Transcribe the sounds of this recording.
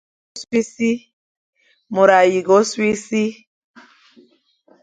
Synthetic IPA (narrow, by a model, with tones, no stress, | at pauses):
si˦si˦ | mo˨ɾa˨ji˨ɡɔ˨˦si˦si˦